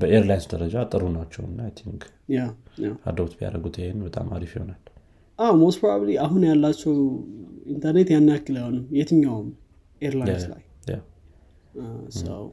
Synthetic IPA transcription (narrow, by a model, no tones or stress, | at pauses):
bəeɾlajnsd̪əɾəd͡ʒat̪ʼɨɾunat͡ʃːɛwɨnːajt̪ʰiŋɡ | jawjawa̰d̪ət̪bia̰ɾəɡut̪ʰehenbət̪ʼa̰ma̰ɾifihonal | ʔawmost̪pɾobəbliaɦunjalːat͡ʃːɛwint̪ʰəɾnet̪janːakːɨlanəwjɛt̪ʰɨɲːawm | ʔeɾlajnsla̰j | ja̰w | asə̰w